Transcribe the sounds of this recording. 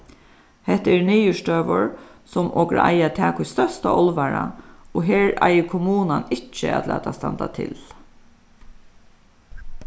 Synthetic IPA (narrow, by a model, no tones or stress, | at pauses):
hɛht̪ːəɛɾniːjəʂt̪øːʋʊɹsɔmʔɔːkɾa̰ʔa̰jat̪ʰɛːkʊst̪œst̪aʔɔlʋaɾa̰ɔɦeːɹa̰jəkʰʊmuːnanɪt͡ʃːə̰æ̰d̪læ̰ːt̪ast̪ant̪at̪ʰɪ̰l